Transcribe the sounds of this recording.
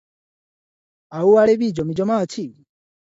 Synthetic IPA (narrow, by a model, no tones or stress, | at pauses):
auwaleβid͡ʒomid͡ʒomaci